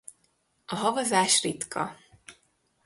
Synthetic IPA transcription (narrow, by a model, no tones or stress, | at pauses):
ɒɦɒvɒzaːʃrit̪kʰɒ̰